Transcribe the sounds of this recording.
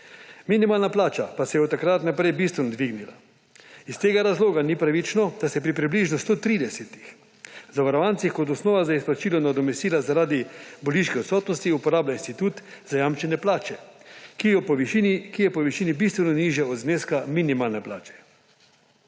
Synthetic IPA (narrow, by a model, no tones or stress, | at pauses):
minimaːlnaplaːt͡ʃapasɛjɛɔt̪ːakɾat̪napɾɛjbist̪ʋɛnɔd̪ʋiɡnila | ist̪eːɡaɾazloːɡanipɾaʋit͡ʃnɔd̪̥asɛjɛpɾipɾibliʒnɔst̪oːt̪ɾiːd̪ɛsɛt̪i̥x | zaʋaɾɔʋant̪sixkɔt̪̬ɔsnɔːʋazaisplat͡ʃiːlɔnad̪ɔmɛst̪iːlazaɾaːd̪iboliʃkɛɔt̪sɔːt̪nɔst̪iupɔɾaːblainst̪it̪uːt̪zajamt͡ʃɛnjɛplaːt͡ʃɛkijɔpɔinkijɛpɔʋiʃiːnibist̪ʋɛnɔniʒjɛɔd̪zneːskaminimaːlnɛplaːt͡ʃɛ̥